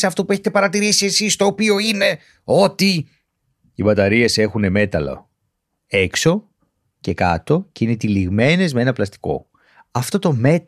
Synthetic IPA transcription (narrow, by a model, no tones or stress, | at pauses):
eɐft̪o̞pue̞çet̪epɐɾɐt̪iɾisie̞sist̪o̞ːpio̞ine̞ | o̞t̪i | ibɐt̪ɐɾie̞se̞xune̞me̞t̪ɐlo̰ | e̞kso̞ | ce̞kɐ̰t̪o̞ceinet̪iliɣme̞ne̞zmee̞nɐplɐst̪i̥ko̞̰ | ɐft̪o̞t̪o̞me̞t̪